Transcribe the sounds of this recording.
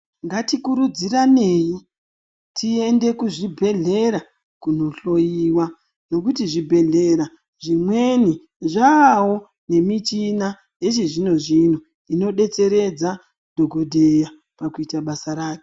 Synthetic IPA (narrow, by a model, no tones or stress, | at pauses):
ŋɡatikuɾud͡ziraneːji | tʰie̞nde̞kuʐibʱe̞ɮe̞ɾa | kuno̞ɬo̞jiwa | no̞kutiʐibʱe̞ɮe̞ɾa | ʐimwe̞ni | ʐaːwo̞ | ne̞mit͡ʃina | je̞ʐiʐinoʐin̤u | ino̞ɗe̞t͡se̞ɾe̞d͡za | dʱoɡʱo̞dʱeja | pakuitaɓasaɾaːke